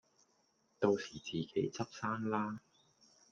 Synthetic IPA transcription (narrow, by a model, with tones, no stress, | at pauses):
t̪o˧wsiː˨˩t͡siː˨˩ke˨˥jt͡sɐ˥p̚saː˥nlaː˥